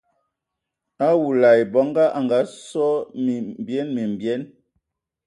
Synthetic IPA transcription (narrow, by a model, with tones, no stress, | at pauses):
a˦wu˨la˨jbɔ˨˦ŋɡa˦ʔa˨ŋɡa˨˦sɔ˦mi˨m˨bjɛ˦nmi˨m˨bjɛ˨˦n